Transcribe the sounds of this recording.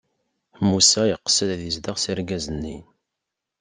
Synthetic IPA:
musæjəqːə̥səðæðizd̪əʁsiɾɡæzənːin

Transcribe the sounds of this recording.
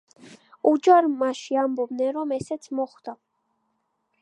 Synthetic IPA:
ud͡ʒaɾmaʃiambɔb̚d̪nɛnɾɔmɛsɛt̪sʰmɔχd̪̥a

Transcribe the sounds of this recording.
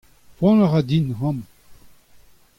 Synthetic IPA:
pwɔ̃naʁad̪inhɑ̃m

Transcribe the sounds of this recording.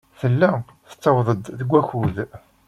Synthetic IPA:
θəlːæ | θə̥t͡sːɑwðˤəd̪ðəɡʷːæçuð

